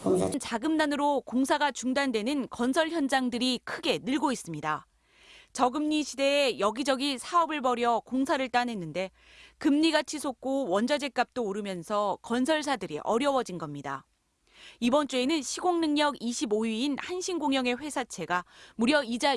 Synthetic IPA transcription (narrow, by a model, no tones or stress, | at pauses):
nt͡ɕaɡɯmnanɯɾokoŋsʰaɡat͡ɕuŋdandwe̞nɯnkʌnsʰʌɭçjʌnd͡ʑaŋdɯɾikʰɯɡe̞nɯɭɡois͈ɯmɲida | t͡ɕʌɡɯmɲiɕʰide̞ːjʌɡid͡ʑʌɡisʰaʌbɯɭbʌɾjʌkoŋsʰaɾɯɭt͈anɦe̞nːɯnde̞ | kɯmɲiɡat͡ɕʰisʰok̚k͈owʌnd͡ʑad͡ʑe̞k͈̚ap̚t͈oːɾɯmjʌnsʰʌkʌnsʰʌɭs̬ʰadɯɾḭʔʌɾjʌwʌd͡ʑinɡʌmɲida̰ | ibʌnt͡ɕ͈ue̞nɯnɕʰiɡoŋnɯŋɲʌɡiɕʰiboiinhanɕʰinɡoŋjʌŋe̞ɸwe̞sʰat͡ɕʰe̞ɡamuɾjʌid͡ʑa